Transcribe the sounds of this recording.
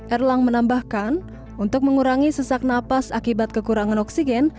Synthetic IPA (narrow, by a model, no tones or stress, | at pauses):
ʔɛrlaŋmənambahkan | unt̪ʊk̚məŋuɾaŋisəsak̚napasakibat̪̚kəkuɾaŋanɔksiɡɛn